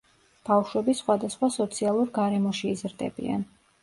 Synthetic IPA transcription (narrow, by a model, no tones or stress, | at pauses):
b̥afʃwɛbisχwad̪asχwasɔt̪sʰialˠuɾɡaɾɛmɔʃiːzɾd̪ɛ̰bḭa̰n